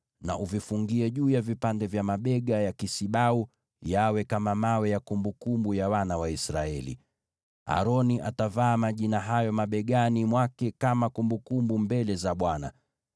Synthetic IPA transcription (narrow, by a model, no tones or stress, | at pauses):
na̰ʔuvifuŋɡiɛʄuːjavipandɛvjamaɓɛɠajakisiɓau | jawɛkamamawɛjakumbukumbujawanawaisɾa̰ɛlḭ | a̰ɾɔniʔa̰tavaːmaʄinaɦajɔmaɓɛɠanimwakɛkamakumbukumbumbɛlɛzaɓwana̰